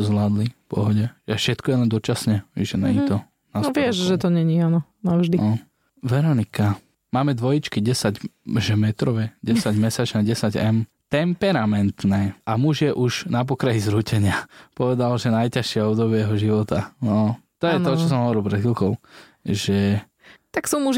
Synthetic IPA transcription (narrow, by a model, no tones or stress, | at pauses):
ɔzlaːd̪lifpɔ̰ɦɔɟɛʒfʃɛt̪kɔjɛlɛnd̪ɔt͡ʃasɲɛʋɛʒɛnɛ̰it̪ɔ | nansʋɪɛʒʒɛt̪ɔɲɛɲianɔ | naʒd̪iɔ | ʋɛɾɔnika | maːmɛd̪ʋɔjit͡ʃkiɟɛsaɟʒɛmɛt̪ɾɔʋɛɟɛsaɟmɛsat͡ʃnɛɟɛsaɟɛ̰m | t̪ɛmpɛɾamɛnt̪nɛːamuʒɪjɛʔuʒnapɔkɾaɦizɾuːcɛɲɪapɔʋɛd̪alʒɛnajcaʃɪɛɔbd̪ɔbɪɛjɛɦɔʒiʋɔt̪anɔt̪ɔjɛt̪ɔt͡ʃɔs̬ɔmɦɔʋɔɾilˠpɾɛd̪xilˠkɔʊ | ʒɛ | t̪aksuːmuʒ